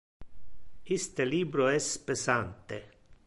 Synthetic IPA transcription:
ist̪eliːbɾoɛspesant̪e

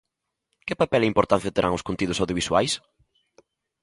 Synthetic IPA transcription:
kɪpapɛlɪimpoɾt̪an̟θjɐt̪eɾʔa̰ŋʊskont̪iðʊsawðjoβiswua̰js

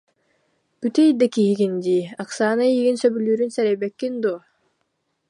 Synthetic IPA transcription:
b̥yt̪ejd̪ekiiɡind̪iaqsaːnaiɡinsøbylyːɾynsɛɾebekːind̪u

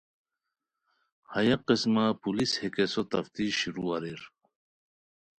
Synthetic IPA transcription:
hɐjɐqesmapulishekesot̪ɐft̪iɕiɾuɐɾiɾ

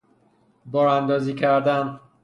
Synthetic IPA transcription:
bɒːɾænd̪ɒːziːcʰæɾd̪æn

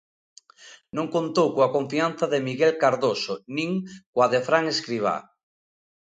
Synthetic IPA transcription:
nõŋkõnt̪owkoakõɱfianθaðemiɣelkaɾðosonĩŋkwaðefɾaŋeskɾiβ̞a̰

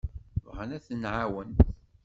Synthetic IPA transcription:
vʁænæθənʕawənt̪

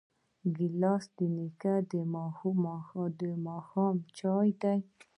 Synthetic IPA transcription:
ɡilɑsd̪̥inikad̪əmɑxumd̪əmɑxɑmt͡ʃɑjd̪aj

